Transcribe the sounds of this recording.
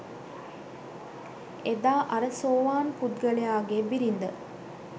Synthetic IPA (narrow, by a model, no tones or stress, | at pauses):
ed̪aːʔɐɾəsoːʋaːnpud̪ɡəlejaːɡebiɾind̪ə